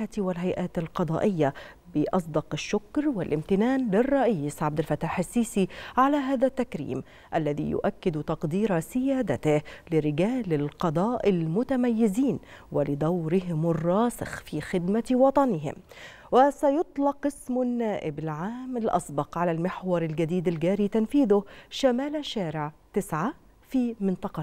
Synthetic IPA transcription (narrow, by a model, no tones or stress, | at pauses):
at̪wɪlɦajʔaːt̪ɪlqɑd̪ˤɑ̰ːʔɪjːa | bɪʔɑs̬ˤd̪ɑqɪʃːʊkɾwɪlʔɪmt̪ɪnaːnlɪrˤːɑʔiːsʕab̚d̪ɪlfat̪ːaːħɪsːiːsiʕalaɦaːðat̪ːakɾḭːm | ʔalːaðḭjʊ̰ʔakːɪd̪t̪ɑqd̪iːɾasɪjaːd̪at̪ɪhlɪɾɪɡaːlɪlqɑd̪ˤɑːʔɪlmʊt̪amajːɪziːn | wɪlɪd̪awɾɪɦɪmɪrˤːɑːsɪ̰xfiːxɪd̪mawɑt̪ˤɑnɪɦɪ̰m | wɪsajʊt̪ˤlɑqɪsmnːaːʔɪbɪlʕaːmɪlʔɑ̰sˤbɑqʕalalmɪħwɑɾˤɪlɡad̪iːd̪ɪlɡæːɾiːt̪anfiːðʊhʃamaːlʃaːɾɪʕt̪ɪsʕa | fiːmɪnt̪ˤɑqɑ